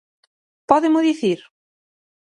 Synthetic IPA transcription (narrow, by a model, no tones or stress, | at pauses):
pɔðɪmʊðiθiɾ